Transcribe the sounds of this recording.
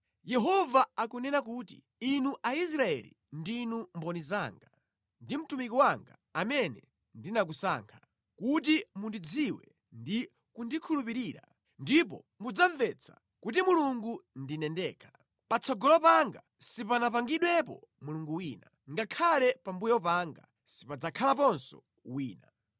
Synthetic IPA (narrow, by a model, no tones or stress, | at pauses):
jɛɦɔvaakunɛnakuːtḭ | inuʔais̬ɾaɛ̰lḭ | ndinumbɔniza̰ːŋɡa | ndim̩tumikiwaŋɡa̰ | amɛnɛ | ndinak̬usa̰ːŋkʰḁ | kut̬imundid͡ziwɛ̰ | ndi | kundikʰulupiɾiːɾa̰ | ndipɔ̰ | mud͡zaɱvɛt͡sʰa̰ | kut̬imuluŋɡundinɛndɛːkʰḁ | pat͡sʰɔɡɔlɔpaŋɡa̰ | sipanapaŋɡiɗwɛpɔ̰ | muluŋɡuwiːna | ŋɡakʰalɛpambujɔpaŋɡa̰ | sipad͡zakʰalapɔnsɔ̰ | wiːna